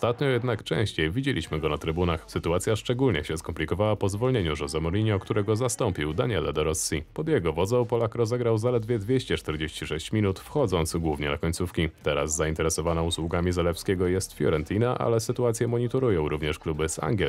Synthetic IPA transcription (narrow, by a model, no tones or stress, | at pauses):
st̪at̪ɲɔjɛd̪nakt͡ʂɛ̰̃ɕt͡ɕejvʲid͡ʑelʲḭɕmɘɡɔnat̪ɾɘbunaxsɘt̪uat̪sʲjaʂt͡ʂɛɡulɲɛ̰ɕɛskɔmpʲlʲikɔvawapɔzvɔlɲeɲuʐɛzɛmɔɾʲiɲɛɔkt̪uɾɛɡɔzast̪ɔmpʲiwd̪aɲɛlɛ̰d̪ɔɾɔsːipɔd̪jɛɡɔvɔd̪zɛ̃wpɔlakɾɔzɛɡɾawzalɛd̪vʲjɛd̪vʲjeɕt͡ɕɛt͡ʂt̪ɛɾd͡ʑeɕt͡ɕiʂɛɕt͡ɕmʲinut̪fxɔd̪zɔnt̪sɡwuvɲɛna̰kɔɲʲtsufkʲit̪ɛɾa̰zːaint̪ɛɾɛsɔvanauswuɡamʲizalɛpskʲɛɡɔjɛst̪fʲjɔ̰ɾɛnt̪ʰʲinaʔa̰lɛsɘt̪uat̪sʲjɛmɔɲit̪ɔɾujɔ̃w̃ɾuvɲɛʂklubɘsa̰ŋɡʲɛ